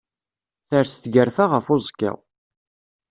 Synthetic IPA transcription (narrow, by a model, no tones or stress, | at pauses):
θəɾθθɡəɾfaʁəfʊzˤkːə̰ʁ